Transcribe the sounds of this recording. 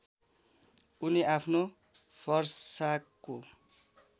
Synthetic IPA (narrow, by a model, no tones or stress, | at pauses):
uniapʰno | pʰʌrsakːo